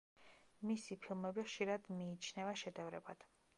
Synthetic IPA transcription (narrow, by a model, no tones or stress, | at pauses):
misipʰilˠmɛbiχʃiɾad̪miːt͡ʃʰnɛvaʃɛd̪ɛvɾɛbad̪̥